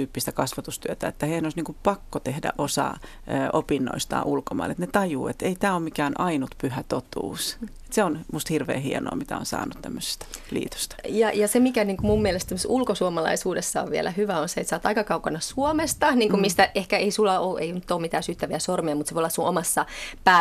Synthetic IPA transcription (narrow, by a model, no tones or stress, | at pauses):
t̪yːpːist̪ækɑsʋɑt̪ust̪yøt̪æet̪ːæheihænoˑisniːŋkuppɑkːot̪ehdæ̰ʔʔosɑ̰ | ʔopinːo̰ist̪ɑ̰ːʔulkomɑ̰ilːḛt̪net̪ɑjuːet̪eit̪æːommikæːnʔɑinut̪pyhæt̪ot̪ṵːse̥t̪seonmust̪hirʋḛːhieno̰ːmit̪æ̰o̰nsɑ̰ːnut̪t̪æmːøse̥st̪æ̥lḭːt̪o̥st̪ɑ̥jɑjɑsemikæniːŋkumummielest̪æmːsʔulkosuomɑlɑ̰isuːdesːɑo̰ʋʋiḛlʔæ̰hyʋæonseit̪sɑːt̪ɑikɑkɑukɑnɑsuomest̪ɑniːŋkumist̪æʔehkæeisulːɑoːʔḛijonyt̪ːoːmit̪æːsyt̪ːæʋiæsormiɑmut̪seʋojolːɑsunʔomɑsːɑpæː